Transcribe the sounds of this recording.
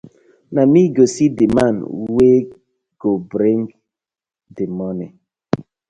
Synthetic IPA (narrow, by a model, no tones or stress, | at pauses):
namiɡosidemanwe | ɡ̥obɾeŋɡ | demɔnɛ